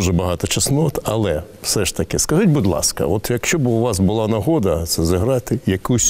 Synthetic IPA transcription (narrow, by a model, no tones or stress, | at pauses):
ʒɛbɐɦɑt̪ɔt͡ʃɐsnɔt̪ɐ̰lˠɛ | wsɛʃt̪ɐkɪskɐzutʲbʊd̪lˠɑ̰skɐ̰ɔt̪jɐkʃt͡ʃɔbʊʋɑsbʊlˠɑnɐɦɔd̪ɐt̪sɛzɐɦɾɑt̪ɪjɐkusʲ